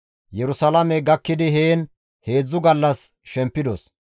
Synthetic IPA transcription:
jɛɾʊsɐlɐmɛɡɐkːɪd̪ɪɦeːn | he̞ːd͡zːʊɡɐlːɐs | ʃɛmpːɪd̪ɔ̰s

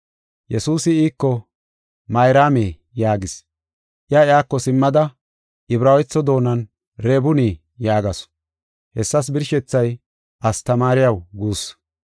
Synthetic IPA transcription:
jɛsuːsɪiːkːɔ | mɐjɾaːmeː | jaːɡɪs | ʔɪaɪaːkːɔsɪmːɐd̪ɐ | ʔɪbɾaːwjt͡sːɔd̪o̞ːnɐn | ɾeːbʊniː | jaːɡɐs | hɛsːɐs̬bɪɾʃɛt͡sːɐj | ʔɐst̪ɐmaːɾɪjɐwɡuːs

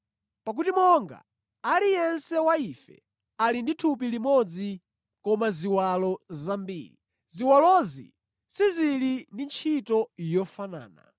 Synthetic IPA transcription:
pak̬utimɔŋɡa̰ | alijɛnsɛwaifɛ̰ | alinditʰupilimɔd͡zi | kɔmaziwalɔzambḭːɾi | ziwalɔzḭ | sizilindint͡ʃʰitɔjɔfana̰ːna̰

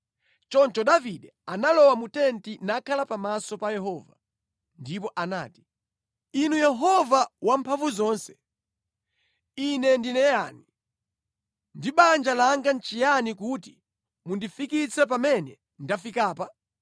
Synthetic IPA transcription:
t͡ʃɔnt͡ʃɔɗaviɗɛanalɔwamutɛntinakʰalapamasɔpajɛɦɔːva | ndip̬ɔʔana̰ːti̥ | inujɛɦɔvawampʰaɱvuzɔːnsɛ̥ | inɛndinɛja̰ːni | ndiɓand͡ʒalaŋɡant͡ʃijanikuti | mundifikit͡sʰɛp̬amɛnɛ | ndafikaːpa

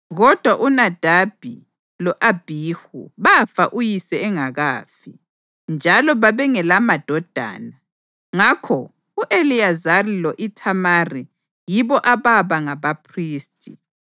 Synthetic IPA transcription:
ɣɔd̥ʱwaʔunad̥ʱab̥ʱi | lɔʔab̥ʱiːhṵβafaʔujisɛɛŋaɣaːfḭ | nd͡ʒʱalɔβaβɛŋɛlamad̥ʱɔd̥ʱa̰ːna | ŋakʰɔ | uʔeliazarilɔʔitʰamari | jiβɔʔaβaβaŋaβapʰriːstʼʰi

